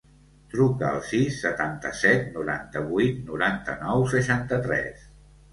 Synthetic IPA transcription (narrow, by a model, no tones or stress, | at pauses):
t̪ɾukəə̰lˠsisːət̪ant̪əsɛt̪nuɾa̰nt̪əβujt̪nuɾant̪ə̰nɔwsəʃant̪ət̪ɾɛ̰s